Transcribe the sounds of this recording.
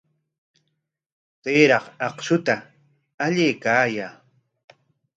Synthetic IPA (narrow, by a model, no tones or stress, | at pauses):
t̪eːɾɑχɑqʃʊt̪a | aʎeːkaːjaː